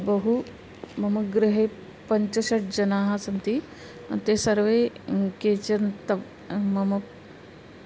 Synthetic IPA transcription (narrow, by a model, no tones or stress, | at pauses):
bɐɦu | mɐmɐɡɾɪɦeː | pɐɲt͡ʃɐʃɐʈ̚d͡ʒɐnaːɦasɐnt̪i | t̪eːsɐɾʋeːkeːt͡ʃɐnt̪ɐ | mɐmɐ